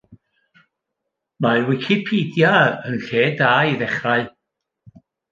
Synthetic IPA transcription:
mawɪkʰɪpʰiːdjaənɬeːdaːiðɛχraɨ

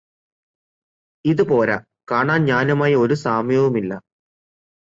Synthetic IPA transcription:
iðupo̞ːɾa | kaːɳaːnɲaːnumaːjɐo̞ɾusaːmjɐʋumilːɐ

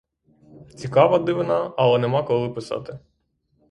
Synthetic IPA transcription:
t͡sʲikɑʋɐd̪ɪʋɪnɑɐlˠɛnɛmɑkɔlˠɪpɪsɑ̰t̪ɪ

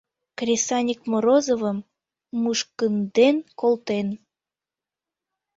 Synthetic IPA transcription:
krʲisɑnʲikmoɾozovəmː | uʃkənd̪enkolt̪en

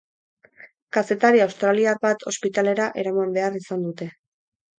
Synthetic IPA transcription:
kase̞t̪aɾiawst̪ɾaliarβat̪ʰo̞spit̪ale̞ɾaʔe̞ɾamambe̞arisand̪ut̪e̞

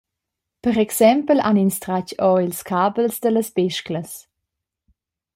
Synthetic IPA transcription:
pəɾɛksɛmpəlaninstɾacɔilskʰaːbəlsdələsbɛʃkləs

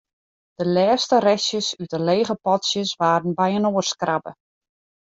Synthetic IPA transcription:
d̥əlɛːstərɛsjəsytəleːɣəpɔtsjəsʋaːɾənbɛjənoːrskrabə̰

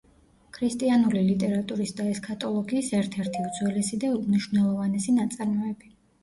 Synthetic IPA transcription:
kʰɾist̪ʼianulilit̪ʼɛɾat̪ʼuɾisd̪aɛskʰʼat̪ʼɔlˠɔɡiːsɛɾt̪ʰɛɾt̪ʰiud̪zwɛlɛsid̪aumniʃvnɛlˠɔvanɛsinat̪sʼaɾmɔɛbi

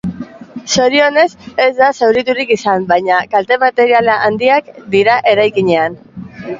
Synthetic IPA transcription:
so̞ɾio̞ne̞se̞zd̪asewɾit̪uɾikisambajɲakalt̪e̞mat̪e̞ɾialaʔand̪iakd̪iɾaʔe̞ɾajkiɲe̞an

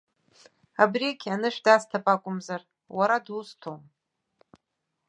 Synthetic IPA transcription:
abrikʲʰanɨʂdastʰapʼakʷʼʊmzar | waɾadustʰom

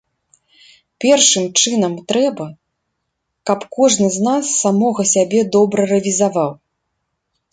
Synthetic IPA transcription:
pʲɛrʂɨmt͡ʂɨn̪ɐmt̪ɾɛbɐ | kɐpkɔʐnɨznasːamɔɣɐsʲabʲɛd̪ɔbɾɐrɐvʲizavaw

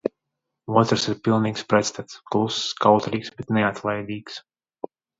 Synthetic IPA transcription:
uɔt̪ɾsiɾpʲilˠniːkspɾɛt̪st̪at̪sklˠuskawt̪ɾiːksbet̪neat̪ʰlˠajd̪iːks

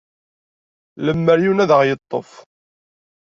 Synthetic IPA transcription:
ləmːəɾjunæðəʁjət̪ˤːo̰f

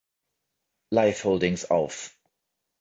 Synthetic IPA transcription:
laɪfhoʊlˠdɪ̃ŋzɒ̰lˠf

